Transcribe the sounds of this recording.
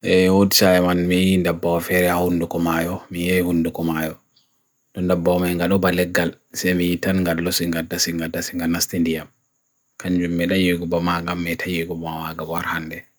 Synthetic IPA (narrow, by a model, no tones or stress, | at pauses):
ʔɛwodisajɛmanmijindabːawafɛɾɛahundukɔmajɔmijajhundukɔmajɔ | dɔndabːamajŋɡaɗɔbalɛɡːal | sɛmijitanŋɡalːɔsiŋɡadasiŋɡadːasiŋɡanastindijam | kaɲd͡ʒumːɛɗajeɡubamaŋɡamːɛtʰajeɡubmawaɡawaɾhanːdɛ